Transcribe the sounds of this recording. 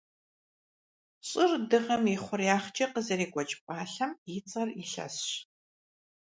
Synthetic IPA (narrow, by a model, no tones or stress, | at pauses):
ɕʼɪrdɨʁɐmiχʷʊrjaːχt͡ʃʼɐqəzɐɾiːɡʷʼɔt͡ʃʼpʼaːɬɐmjɪt͡sʼɐriɬɐ̰sɕ